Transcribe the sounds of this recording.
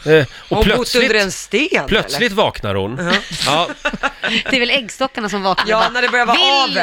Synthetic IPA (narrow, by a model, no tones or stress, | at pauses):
ɔpʰlœtsɵnɪd̪əɾɛnst̪eːpʰlœt̪slɪt̪vɑːkna̰ɾhʊ̰nɑ | d̪ɛɾvɛlɛɡːst̪ɔkːaɳasɔmvɑːknaɑnæɖɛbœɾjavɑvɪ